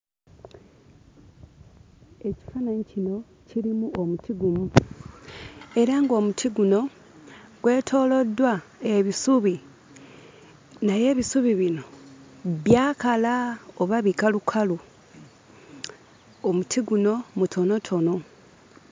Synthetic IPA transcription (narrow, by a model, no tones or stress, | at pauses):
e̞ci̥fanaɲicino̞ | ciɾimuomutiɡumu | e̞ɾaŋɡo̞ːmutʰiɡuno̞ | ɡ̥we̞ːtʰo̞ːlo̞dːwae̞βisuβi | naje̞ːβisuβiβino̞ | βjaːkalaoβaβikalukʰalu | omutʰiɡuno̞mutʰo̞no̞tʰo̞no